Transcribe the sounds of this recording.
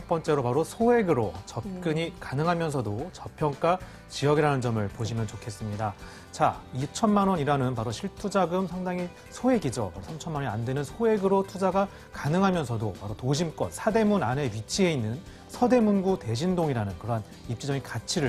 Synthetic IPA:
t͡ɕʰʌk̚p͈ʌnt͡ɕ͈e̞ɾopaɾosʰoɦe̞ɡɯɾot͡ɕʌp̚k͈ɯɲikanɯŋɦamjʌnsʰʌdot͡ɕʌpʰjʌŋk͈a | t͡ɕijʌɡiɾanɯnd͡ʑʌmɯɭpoɕʰimjʌnt͡ɕokʰe̞s͈ɯmɲida | t͡ɕait͡ɕʰʌnmanwʌniɾanɯnpaɾoɕʰiɭtʰud͡ʑaɡɯmsʰaŋdaŋi | sʰoe̞ɡid͡ʑo̰paɾosʰamt͡ɕʰʌnmaoandwe̞nɯnsʰoe̞ɡɯɾotʰud͡ʑaɡa | kanɯŋɦamjʌnsʰʌdopaɾotoɕʰimk͈ʌ̰nsʰade̞munane̞ɥit͡ɕʰie̞inːɯn | sʰʌde̞munɡute̞ɕ̬ʰindoŋiɾanɯnkɯɾʌn | ip̚t͡ɕ͈id͡ʑʌɡinkat͡ɕʰiɾɯ

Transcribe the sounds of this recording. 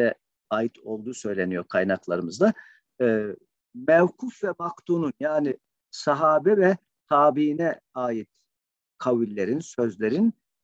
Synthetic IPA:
ɛ | aːjit̪ʰo̞lˠd̪uːsø̞jlʲe̞nijokʰajnaklˠaɾɯmɯzd̪a | ɯː | mɛvkʰufvɛmakt̪uːnunjaːnɪ | saɦaːbɛvɛ | t̪ʰaːbiinɛ | aːjit̪̚ | kʰawilʲːe̞ɾinsø̞zlʲe̞ɾin

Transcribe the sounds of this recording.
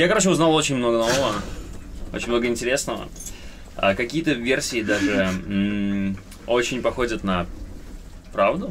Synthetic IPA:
jakɐɾot͡ɕoʊznalˠo̞t͡ɕɪnʲmno̞ɡənovəvə | o̰t͡ɕɪnʲmno̞ɡəɨɪnʲtʲɪɾʲe̞snəvə̰ | a̰kɐkʲijət̪əvʲersʲɪɪd̪aʐɨ | o̞t͡ɕɪnʲpɐxo̞dʲət̪nɐ | pɾavd̪ʊ

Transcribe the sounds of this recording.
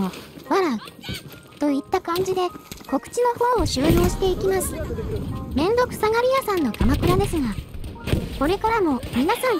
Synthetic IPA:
oβaɾa | t̪o̞it̪ːakãɲ̟d͡ʑid̪e̞ko̞kɯ̟̥t͡ɕino̞ho̞ːɕɨːjo̞ːɕi̥t̪e̞ikʲimasɨ̥ | mẽ̞nd̪o̞kɯ̟̥saɡaɾʲijasãnːo̞kamakɯ̟ɾad̪e̞sɨŋa | ko̞ɾe̞kaɾamo̞mʲinasãŋ

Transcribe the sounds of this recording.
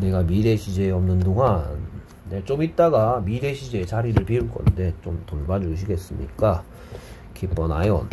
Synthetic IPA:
ne̞ɡamiɾe̞ɕʰid͡ʑe̞ʌmnɯndoŋanː | et͡ɕomit̚t͈aɡamiɾe̞ɕʰid͡ʑe̞t͡ɕaɾiɾɯɭpiuɭk͈ʌ̰nde̞t͡ɕomtoɭbad͡ʑuɕʰiɡe̞s͈ɯmɲḭk͈a | kʰep͈ʌnajon

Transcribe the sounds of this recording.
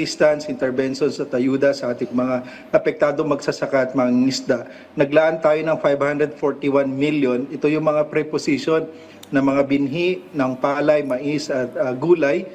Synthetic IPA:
ist̪ɐnsʔɪnt̪ɛɹbɛnʃonsɐt̪ʔɐjuːd̪ɐsɐʔaːt̪ɪŋmɐŋa | ʔɐpɛk̚t̪aːd̪o̞ŋmɐɡsɐsɐkaʔɐt̪̚mɐaŋɪsd̪a | nɐɡlaʔɐnt̪aːjo̞nɐŋfajbhand̪ɾɛd̪̚foɹt̪iwanmiljonɛt̪o̞jʊŋmɐŋapɾɛposiʃonː | ɐmɐŋabɪnɦiʔnɐŋpaːlɐjmɐʔisɐt̪̚ɐɡuːlɐj

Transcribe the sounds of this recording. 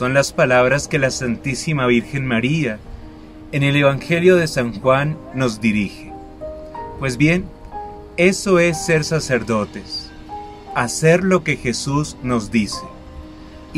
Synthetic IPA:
so̞nlaspalaβɾaske̞lasant̪isimaβ̞iɾxe̞nmaɾia | ene̞le̞βaŋxe̞ljo̞ðe̞saŋxwanːo̞zd̪iɾixe̥ | pwe̞zbje̞n | e̞so̞e̞sːe̞ɾsase̞ɾðo̞t̪e̞s | ase̞ɾlo̞ke̞xe̞suzno̞zd̪ise

